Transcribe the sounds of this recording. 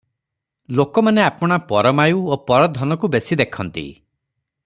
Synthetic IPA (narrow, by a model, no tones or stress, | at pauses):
lokɔmaneapɔɽ̃apɔɾɔmajuopɔɾɔd̪ʱɔnɔkubesid̪ekʰɔnt̪ḭ